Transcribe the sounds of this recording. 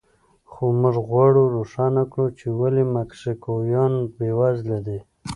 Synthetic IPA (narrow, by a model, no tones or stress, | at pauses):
xomʊʐɣwaɽoɾoʂanakɽut͡ʃewalemakʂekojɑnbewazladi